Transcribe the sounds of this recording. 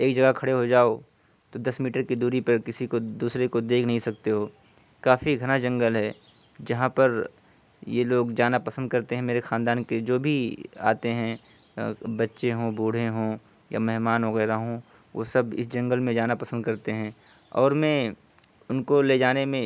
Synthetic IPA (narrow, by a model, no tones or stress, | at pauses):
eːkd͡ʒɐɡakʰɐɽeɦod͡ʒaːo | t̪od̪ɐsmiːʈəɾkid̪uːɾipɐɾkɪsikod̪uːsɾekod̪eːkʰnɐɦĩsɐk̚t̪eɦoː | kaːfiɡʱɐñad͡ʒɐ̃ŋɡəlɦɛː | d͡ʒɐɦãpɐɾ | jeloːɡd͡ʒaːnapɐsə̃nd̪̚kɐɾt̪eɦɛ̃meːɾexãːnd̪aːnked͡ʒoːbʱia̰ːt̪eɦɛ̃ | bɐtːʃeɦõːbʱuːɽ̤eɦõː | ja̰mɛɦmaːnʋɐɣɛːɾaɦõ | ʋo̰ːsɐbɪ̰sd͡ʒɐ̃ŋɡəlmẽd͡ʒaːnapɐsə̃nd̪kɐɾt̪eɦɛ̃ː | ɔ̰ːɾmɛ̃ | ʊnkoled͡ʒaːnemẽ